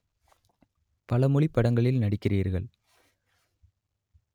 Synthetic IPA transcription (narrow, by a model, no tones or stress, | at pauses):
pɐlɐmʊɭɪpːɐɽɐŋɡɐɭɪlnɐɽɪkːɪriːɾɣɐɭ